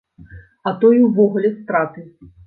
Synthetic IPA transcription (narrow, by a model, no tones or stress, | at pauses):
ɐt̪ɔjwvɔɣulʲɛst̪ɾat̪ɨ